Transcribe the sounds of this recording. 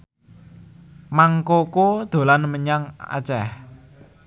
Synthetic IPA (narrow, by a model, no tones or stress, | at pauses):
maŋkokod̪̥o̤lanməɲaŋa̰t͡ʃɛh